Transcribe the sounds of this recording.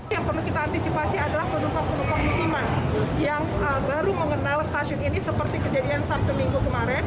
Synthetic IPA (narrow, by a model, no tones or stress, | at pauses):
jaŋpərlukit̪aːnt̪isipasiadalahpənumpak̚pənumpak̚musimanjaŋ | əbaɾuməŋənalst̪asʊninisəpərt̪ikəd͡ʒadiansamt̪umiŋɡukəmaɾɛn